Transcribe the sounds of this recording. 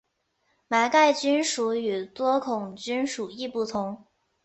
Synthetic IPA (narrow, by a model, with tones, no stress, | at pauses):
ma˧˥ɪka˥˩ɪt͡ɕy˥nʂu˧˥y˨˩t̪wɔ˥kʰʊ˨˩ŋt͡ɕy˥nʂu˨˩i˥˧pu˥˩t̪ʰʊ˧˥ŋ